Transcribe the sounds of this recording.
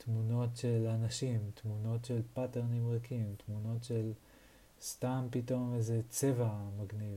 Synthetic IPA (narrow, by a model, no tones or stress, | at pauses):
t̪muno̞tʃelanaʃimt̪muno̞tʃe̞lpateʁnimʁakʰimt̪muno̞tʃe̞l | st̪ampito̞mvezet͡se̞vamaɡniv